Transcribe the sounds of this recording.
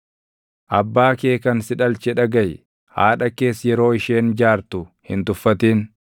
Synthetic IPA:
ʔɐbːaːke̞ːkɐnsɪᶑɐlt͡ʃɛᶑɐɡɐj | ha̰ːᶑɐke̞ːsjɛɾo̞ːɪʃe̞ːnd͡ʒaːɾt̪ʊhɪnt̪ʊfːɐt̪iːn

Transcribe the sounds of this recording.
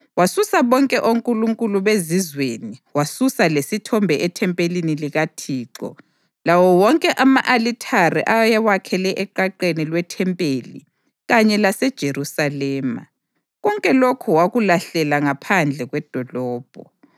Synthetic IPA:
wasusaβɔŋkʼɛʔoŋkʼuluŋkʼuluβezizweniwasusalesitʰɔmbʱɛʔɛtʰɛmpʼeliniliɣatʰiːǀɔ̰ | lawɔwɔŋkʼɛʔamaʔalitʰarḭʔajɛwakʰɛlɛʔɛǃaǃenilwɛtʰɛmpʼelḭ | ɣaɲɛlasɛd̥ʒ̥ʱeɾusalɛːma̰ | ɣɔŋkʼɛlokʰɔwaɣulaɬɛlaŋapʰand͡ɮʱɛɣwɛd̥ʱɔlɔːb̥ʱɔ̰

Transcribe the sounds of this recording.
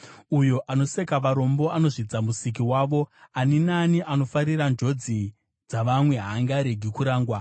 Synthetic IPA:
ujo̞ʔano̞sekaʋaɾo̞mbo̞ano̞ʐid͡zamusik̬iwaːʋo̞aninaniʔano̞faɾirand͡ʒo̞d͡zi | d͡zaʋamwe̞ɦaːŋɡaɾeɡʱikuɾaːŋɡwa

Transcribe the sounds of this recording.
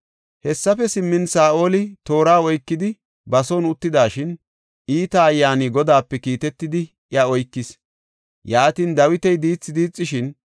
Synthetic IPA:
hɛsːɐfɛsɪmːɪnsaːʔo̞ːlɪt̪o̞ːɾaːɔjkːɪd̪ɪ | bɐsoːnʊt̪ːɪd̪aːʃɪn | ʔiːt̪ɐːjːaːnɪɡɔd̪aːpːɛkiːt̪ɛt̪ːɪd̪ɪ | jɐɔjkːɪs | jaːt̪iːnd̪ɐwɪt̪ɛjd̪iːt͡sːɪd̪iːt͡sʼːɪʃɪn

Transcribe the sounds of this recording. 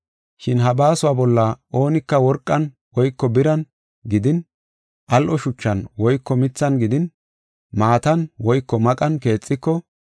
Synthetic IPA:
ʃɪnɦɐbaːsʊwaːbɔlːɐʔo̞ːnɪkːɐwɔɾkʼːɐn | wɔjkːɔbɪɾɐn | ɡɪd̪ɪn | ʔɐlʔɔʃʊt͡ʃːɐnwɔjkːɔmɪt͡sːɐnɡɪd̪ɪn | maːt̪ɐnwɔjkːɔmɐkʼɐnke̞ːt͡sʼːɪkːɔ

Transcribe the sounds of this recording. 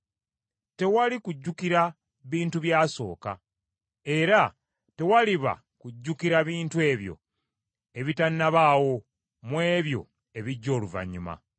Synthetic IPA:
te̞walikuɟːukiɾa | βiːntuβjaːso̞̰ːka̰ | e̞ɾa | te̞waliβa̰ | kuɟːukiɾaβiːntue̞ːβjo̞̰ | e̞βitanːaβawo̞ | mweːβjo̞̰ | e̞βiɟːo̞ːluva̰ɲːuma̰

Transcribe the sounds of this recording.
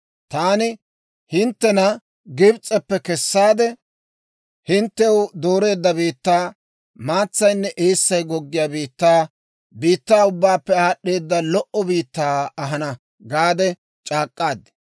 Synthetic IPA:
t̪aːnɪ | hɪnt̪ːɛnɐ | ɡɪbt͡sʼɛpːɛkɛsːaːd̪ɛ | hɪnt̪ːɛwd̪oːɾe̞ːd̪ːɐbiːt̪ːaː | maːt͡sːɐjnːɛʔeːsːɐjɡɔɡːɪjaːbiːt̪ːaː | biːt̪ːaːʊbːaːpːɛaːɗːe̞ːd̪ːɐlɔʔɔbiːt̪ːaːɐɦɐnɐ | ɡaːd̪ɛ | t͡ʃʼaːkʼːaːd̪

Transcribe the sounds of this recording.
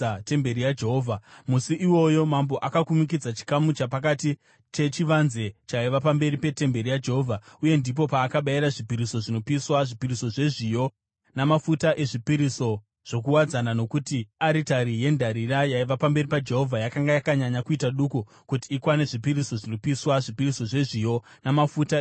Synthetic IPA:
te̞mbe̞ɾijad͡ʒe̞ɦoːvʱamusiʔiwo̞jo̞mambo̞ʔakakumik̬id͡zat͡ʃi̥kamut͡ʃapakati | tʰe̞t͡ʃiʋanze̞t͡ʃaiʋapambe̞ɾipe̞te̞mbe̞ɾijad͡ʒe̞ɦoːvʱauje̞ndip̬o̞paːkaɓaiɾaʐipiɾiso̞ʐino̞piswaʐipiɾiso̞ʐe̞ʐijo̞ | namafutaʔe̞ʐipiɾiso̞ | ʐ̥o̞k̬uwad͡zanano̞kutiaɾitaɾije̞ndʱaɾirajaiʋapambe̞ripad͡ʒe̞ɦo̞vʱajakaŋɡajakaɲaɲakuitaɗuku | kutiːkwane̞ʐipiɾiso̞ʐinopiswaʐipiriso̞ʐe̞ʐijo̞namafuta

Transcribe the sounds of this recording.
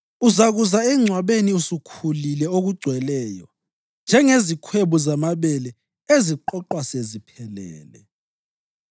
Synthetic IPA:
uzaɣuzaɛŋ͡ǀʱwaβeniusukʰulilɛoɣuɡ͡ǀʱwɛlɛːjɔ̰ | nd͡ʒʱɛŋezikʰweβuzamaβɛlɛ | eziǃɔǃwasezipʰɛlɛ̰ːlɛ

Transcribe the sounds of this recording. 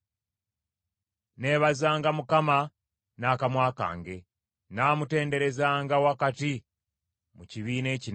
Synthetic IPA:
ne̞ːβazaːŋɡamukama | naːkamwaːka̰ːŋɡe̞ | naːmute̞ːnde̞ɾe̞zaːŋɡawakati | muciβiːne̞ːcin

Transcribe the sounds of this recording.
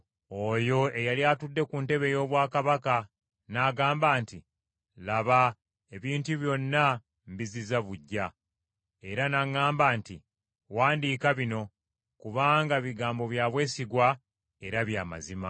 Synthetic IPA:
o̞jo̞ejaljaːtudːe̞kunte̞βe̞jo̞ːβwaːkaβaka | naɡaːmbaːnti | laβa | e̞βiːntuβjo̞nːa | mbizizaβuɟːa | e̞ɾanaŋːaːmbaːnti | waːndiːkaβino̞ | kuβaːŋɡaβiɡaːmbo̞βjaːβwe̞ːsiɡwa | e̞ɾaβjaːma̰zima

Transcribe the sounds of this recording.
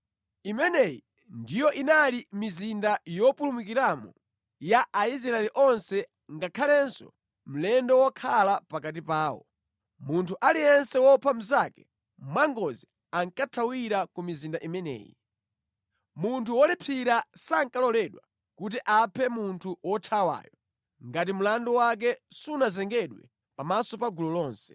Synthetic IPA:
imɛnɛjḭ | ndijɔʔinalimizindajɔpulumukiɾamɔ̰ | jaʔaiz̬ɾaɛliʔɔnsɛ | ŋɡakʰalɛnsɔ̰ | m̩lɛndɔwɔkʰalapakat̬ipaːwɔ̰ | muntʰuʔalijɛnsɛwɔpʰam̩zakɛ̥ | mwaŋɡɔzi | aŋkatʰawiɾakumizindaʔimɛnɛ̰ːjɛ | muntʰuwɔlipʰiɾasaŋkalɔlɛɗwa | kut̬iʔapʰɛmuntʰuwɔtʰawa̰ːjɔ | ŋɡat̬imulandɔwak̬ɛsunazɛŋɡɛɗwɛ̰ | pamasɔpaɡulɔlɔːnsɛ̥

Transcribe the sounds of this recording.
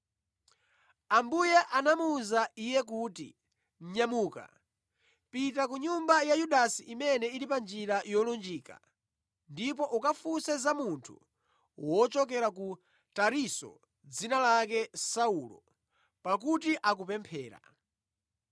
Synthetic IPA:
ambujɛʔanamuzaijɛk̬uːtḭ | m̩ɲamuːka̰ | pitak̬uɲumbajajuɗasiʔimɛnɛiɾipand͡ʒiɾajɔlɔnd͡ʒiːka̰ | ndipɔʔukafusɛzamuntʰṵ | wɔt͡ʃɔk̬ɛɾaku | taɾisɔ̰ | d͡zinalakɛsaulɔ̰ | pakut̬iʔak̬upɛmpʰɛːɾa̰

